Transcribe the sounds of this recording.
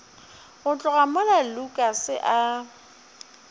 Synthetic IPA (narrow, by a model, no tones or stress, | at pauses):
ʊt͡ɬʼʊɣamalalukʼasɪʔa